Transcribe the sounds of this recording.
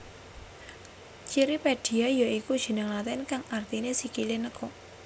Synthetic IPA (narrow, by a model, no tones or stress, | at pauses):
t͡ʃiɾipeɖ̪̥i̤ajaikud̥ʒ̥i̤nəŋlat̪ɛnkaŋart̪inesikilinəkɔ